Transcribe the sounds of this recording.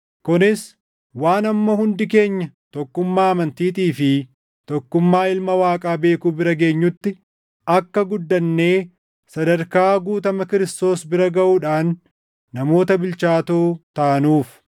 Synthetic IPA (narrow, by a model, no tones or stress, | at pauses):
kʊnɪs | waːnɐmːɐhʊnd̪ɪke̞ːɲːɐ | t̪ɔkːʊmːaːɐmɐnt̪iːt̪iːfɪ | t̪ɔkːʊmːaːɪlmɐwaːkʼaːbe̞ːkuːbɪɾɐɡe̞ːɲːʊt̪ːɪ | ɐkːɐɡʊd̪ːɐnːe̞ː | sɐd̪ɐɾkaːɡuːt̪ɐmɐkɪɾɪst̪o̞ːsbɪɾɐɡɐʔuːᶑaːnː | ɐmo̞ːt̪ɐbɪlt͡ʃaːt̪oːt̪ɐʔɐnuːf